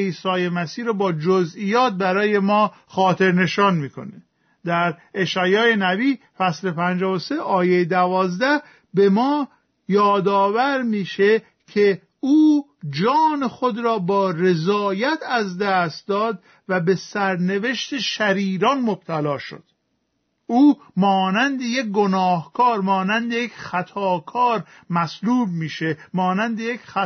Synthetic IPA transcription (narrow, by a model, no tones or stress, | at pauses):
iːsɒːjemæsiːɾbɒːd͡ʒozʔijɒːt̪̚bæɾɒːje̞mɒː | xɒːt̪ʰe̞ɾne̞ʃɒːnmiːkʰo̞̰ne | d̪æɾeʃæːjɒːjenæbiː | fæsle̞pʰænd͡ʒɒːvose̞ʔɒːjejed̪ævɒːzd̪æ | be̞mɒː | jɒːd̪ɒːvæɾmiːʃe | cʰe | uːd͡ʒɒːnexod̪ɾɒːbɒːre̞zɒːjæt̪ʰæzd̪æst̪̚d̪ɒːd̪ | væbe̞sæɾne̞ve̞ʃt̪eʃæɾiːɾɒnmob̥̚t̪ʰælɒːʃo̰d̪̥ | uː | mɒːnænd̪ejek̚ɡonɒːhkʰɒːɾmɒːnænd̪ejecxæt̪ʰɒːkʰɒːɾ | mæsluːb̚miːʃe̞mɒːnænd̪ejekx